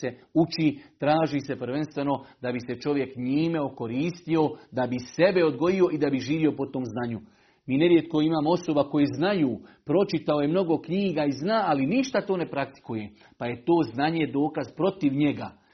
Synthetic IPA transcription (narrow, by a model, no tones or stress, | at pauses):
eut͡ʃit̪ɾaːʒise̞pɾ̩ʋe̞nst̪ʋe̞no̞d̪abise̞t͡ʃo̞ʋje̞kɲiːme̞oko̞ɾiːst̪io̞d̪abise̞be̞o̞d̪ɡo̞jio̞ʔid̪abiʒiːʋio̞pot̪o̞ːmznaːɲu | miːne̞ɾjet̪ko̞imaːmoo̞so̞bako̞jeznajuːpɾo̞t͡ʃit̪ao̞je̞mno̞ɡo̞kɲiːɡaiznaːaliniʃt̪at̪o̞ːne̞pɾakt̪i̥kuje̞ | paje̞t̪o̞ːznaɲe̞d̪o̞ːkazpɾo̞t̪iʋɲe̞ɡa